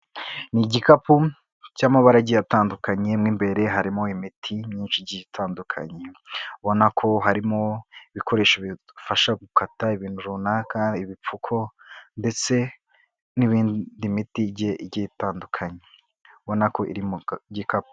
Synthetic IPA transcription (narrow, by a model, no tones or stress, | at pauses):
niɟikapu | caːmaβaɾaɟijataːndukaɲe̞mŋiːmbe̞ɾe̞ɦaɾimo̞imitʰimɲiːnʃiɟitʰaːndukʰa̰ɲeuβo̞nakʰo̞ɦaɾimoiβikʰo̞ɾe̞ːʃiβi | faʃaɡukataiβiːn̥huɾuːnakaiβip͡fukʰo̞nde̞t͡se̞ | niβiːndimitiɟeʔɟitaːndukʰaɲe̥ | βo̞nako̞ʔḭɾimoɟikapu̥